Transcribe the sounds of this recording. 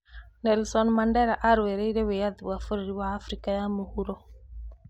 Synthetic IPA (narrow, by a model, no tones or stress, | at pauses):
nɛlsɔnmandɛɾaʔaɾwweɾeiɾewejaðuwafoɾiɾiwaːfɾikajamohuɾɔ